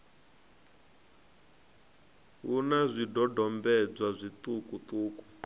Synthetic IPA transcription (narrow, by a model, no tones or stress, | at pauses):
unazʷidɔdʱɔmbɛd͡zwazʷit̪ukut̪uːku̥